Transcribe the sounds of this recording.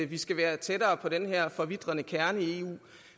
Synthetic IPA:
ʋisɡ̥æʋæːɐt͡sʰedɐːpʰɒ̽ɾ̥enɦæɐ̰fɒ̽ʋid̥ʁɐnəkʰæɐnəie̝ːṵː

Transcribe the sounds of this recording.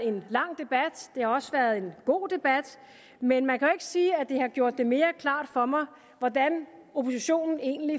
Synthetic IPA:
e̝nlɑ̈ŋ̰d̥e̝b̥æd̥d̥e̝hɑ̈ɒ̽səʋæːɐðˠe̝nɡ̥o̝̰ːd̥e̝b̥æd̥ | menmænkʰæe̝ɡ̥əsiːæd̥e̝hɑ̈ɡ̥jo̝ɐ̰d̥ːe̝me̝ːɐkʰlɑ̰̈ːd̥fɒ̽mɑ̈ɪ | ʋɒd̥æno̝pʰo̝s̬iɕo̝̰ːnn̩e̝̰ːn̩li

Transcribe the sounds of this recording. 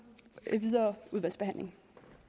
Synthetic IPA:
ʋiðˠɐːuðˠʋælsb̥e̝hæn̰le̝ŋ

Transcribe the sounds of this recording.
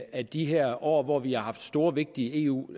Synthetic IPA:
æd̥iɦeɐ̰ʔɒ̰ːʋɒʋiɑ̈ɦɑ̈fd̥sd̥o̝ːɐʋe̝ɡ̥̚d̥ie̝̰ːṵː

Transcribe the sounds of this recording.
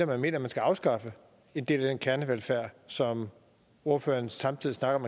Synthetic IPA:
ɐmænme̝̰ːnɐmænsɡ̥æɑ̈ʊsɡ̥ɑ̈fə | e̝nd̥e̝̰ːlenkʰæɐnəʋelfæɐ̰sɒ̽m | o̝ɐfø̰ːɐnsɑ̈mt͡sʰið̰ˠisnɑ̈ɡ̥ɐmæ

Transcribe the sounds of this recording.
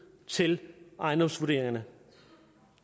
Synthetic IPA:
t͡sʰe̝lʔɑ̈ɪnd̥ɒ̽msʋuɐd̥e̝ːɐɪŋɐnə

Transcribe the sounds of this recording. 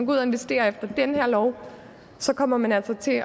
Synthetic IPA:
ɡuð̰ˠɐe̝nʋesd̥e̝̰ːɐefd̥ɐd̥enhæɐ̰lɒʊ | sɒ̽kʰɒ̽m̰ɐmænælsɐt͡sʰe̝

